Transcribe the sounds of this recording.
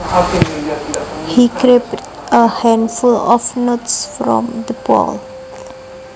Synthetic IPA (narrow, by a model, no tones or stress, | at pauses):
hikɾept | əhɛ̃ndfulɔfnotsfɾɔ̰̃md̪əpɔ̰l